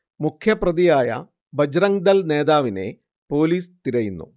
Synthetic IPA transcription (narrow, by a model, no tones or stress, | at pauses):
mukʰjɐprɐðijaːjɐ̰ | bɐd͡ʑɾɐŋd̪ɐlne̞ːðaːʋine̞̰ | po̞ːliːst̪iɾɐjunːṵ